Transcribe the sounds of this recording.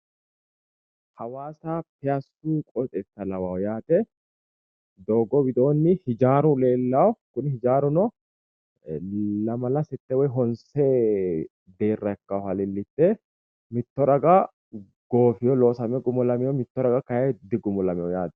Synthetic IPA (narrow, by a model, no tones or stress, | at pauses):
hɐwaːsaːpɪjɐsːuːkʼɔt̪ʼɛt̪ːɐlɐwawjaːt̪ɛ | d̪oːɡɔwɪd̪o̞ːnːɪhɪd͡ʒaːɾʊle̞ːlːɐwkʊnhɪd͡ʒaːɾʊnɔ | lɐmɐlɐsɪt̪ːɛwɔjɦɔnseː | d̪eːrːɐkːɐwhɐlɪlːɪt̪ːɛ | mɪt̪ːɔɾɐɡɐ | ɡ̥o̞ːfɪjɔloːsɐmɛɡʊmɔlɐmɛjɔmɪt̪ːɔɾɐɡɐkɐjɛd̪ɪɡʊmɔlɐmɛjɔjaːt̪ɛ̥